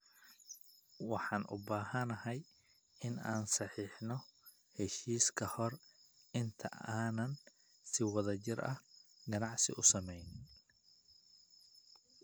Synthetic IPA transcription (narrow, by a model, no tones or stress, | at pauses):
wɑħɑːnʔʊ̰baːɦɐnɐɦɛj | ɪnaːnsɑħiːħnɔ | hɛʃiːskʰɐhɔrɪnt̪ʰɐ̰aːnɐn | sɪwɑðɐt͡ʃɪrɐhɡɐnɑʕsɪ̰ʔʊsɐmɛjnɪ